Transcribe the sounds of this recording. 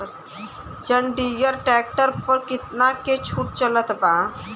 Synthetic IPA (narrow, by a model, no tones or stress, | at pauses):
d͡ʒəɳɖijəɾʈɛk̚ʈəɾpəɾkɪt̪naket͡ʃʰuʈ̚t͡ʃələt̪ba